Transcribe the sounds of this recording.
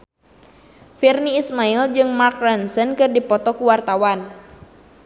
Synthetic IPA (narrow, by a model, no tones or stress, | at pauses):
firniːsmaild͡ʒɨŋmark̚ɾɛnsənkɨrdipɔt̪ɔkuwart̪awan